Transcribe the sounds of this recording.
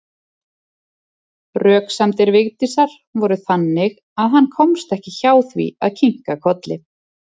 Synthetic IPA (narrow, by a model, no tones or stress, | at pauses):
rœːksamt̪ɪɾvɪɣt̪isaɾ̥ | vɔɾʏθanːɪɣ | aðɦanːkʰɔmst̪ɛhcɪçaːwθvḭa̰ðcʰiŋ̥kakʰɔt̪lɪ